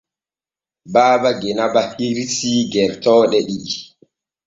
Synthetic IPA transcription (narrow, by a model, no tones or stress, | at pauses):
baːbaɡɛnabahiɾisiːɡɛɾtɔːɗɛɗiɗi